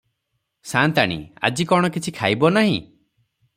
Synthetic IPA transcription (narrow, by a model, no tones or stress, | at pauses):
sant̪aɽ̃ḭa̰d͡ʒikɔɽ̃ɔkit͡ʃʰikʰajbɔnaɦḭ̃